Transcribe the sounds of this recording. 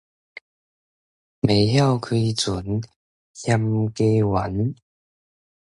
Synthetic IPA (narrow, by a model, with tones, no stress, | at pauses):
me˨˩˦jhja˥˧˨wkʰwi˧t͡su˨˦n | hja˧mke˦wa˨˦n